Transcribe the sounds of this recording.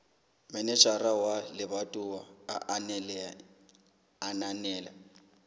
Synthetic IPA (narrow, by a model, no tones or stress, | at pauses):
mɛnɛt͡ʃʼarawalɪβatʼʊwaa̰ʔnɛlɛ | ananɛːla̰